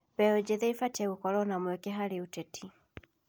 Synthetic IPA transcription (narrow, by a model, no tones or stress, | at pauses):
bɛɔd͡ʒɛðɛifat͡ʃɛukɔlɔnamɛkɛɦaɾiutɛtʰi